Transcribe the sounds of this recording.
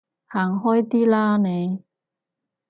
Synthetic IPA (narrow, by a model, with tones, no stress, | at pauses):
haː˨˩ŋɦɔː˥jt̪iː˥laː˥nɛ˨˧